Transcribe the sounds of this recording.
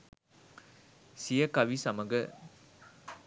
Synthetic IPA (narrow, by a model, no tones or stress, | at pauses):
sijɐkɐʋisɐmɐɡɯ